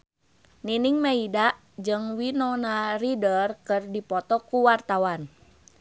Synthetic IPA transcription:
niniŋmaidaʔ | d͡ʒɨŋwinɔnaridərkɨrdipɔt̪ɔkuwart̪awan

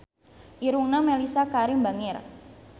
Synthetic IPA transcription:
ʔiɾuŋnamelisakaɾimba̤ŋɪr

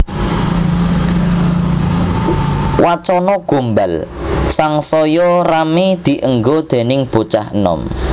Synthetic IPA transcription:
wat͡ʃɔnɔɡ̥o̤mbalsaŋsɔjɔramid̪̥i̤ʔəŋɡod̪̥e̤nɪŋb̥ot͡ʃahənɔ̰m

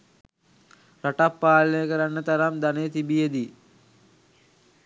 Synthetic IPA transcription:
ɾaʈapːaːlnəjəkəɾanːət̪aɾamd̪anejət̪ibijed̪i

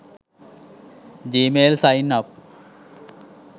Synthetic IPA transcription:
d͡ʑiːmeːlsajnɐp̚

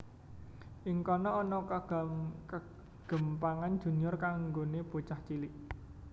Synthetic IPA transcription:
ʔiŋkɔnɔːnɔkəɡkə | ɡ̥ə̤mpaŋand̥ʒ̥ṳnʊrkaŋŋɡoneb̥ot͡ʃaht͡ʃiliʔ

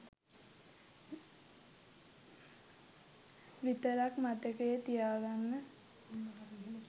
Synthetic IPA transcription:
ʋit̪əɾakmat̪əkəjet̪ijaːɡanːə

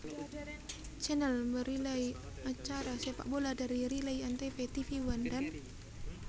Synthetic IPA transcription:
t͡ʃɛnɛlməɾilai | at͡ʃaɾasepa̰ʔboladaɾiɾilaiant̪efet̪ifiwandan

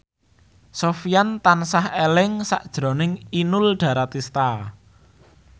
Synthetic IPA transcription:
sofijant̪ansahelɪŋsa̰ʔd̥ʒ̥ɾo̤nɪŋinʊlɖ̥ä̤ɾat̪ist̪a

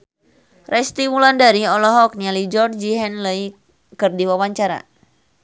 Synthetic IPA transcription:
rɛst̪imulandaɾiɔlɔɦɔk̚nialid͡ʒɔrd͡ʒiɦɛnləi | kɨrdiwawaɲt͡ʃaɾa̰

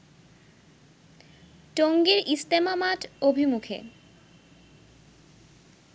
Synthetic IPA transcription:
ʈoŋɡeɾʔist̪emamaʈobʱimukʰḛ

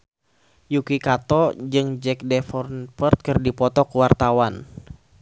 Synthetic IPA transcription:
jukikat̪ɔd͡ʒɨŋd͡ʒɛk̚dɛfɔrnfərt̪̚kɨrdipɔt̪ɔkuwart̪awan

